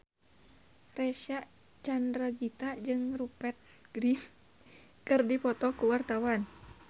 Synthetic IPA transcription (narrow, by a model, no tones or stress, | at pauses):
rɛʃaʔ | t͡ʃandɾaɡit̪aʔd͡ʒɨŋrupɛt̪̚ɡ̥ɾif | kɨrdipɔt̪ɔkuwart̪awan